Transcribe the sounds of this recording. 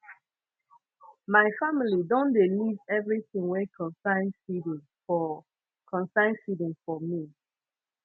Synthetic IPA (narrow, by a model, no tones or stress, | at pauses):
maɪfamilidɔ̃ndelizɛvɹiθĩŋwɛkʰɔ̃nsãɪ̃nsid̃ | ɔ | kʰɔ̃nsãɪ̃nsidĩmfɔmi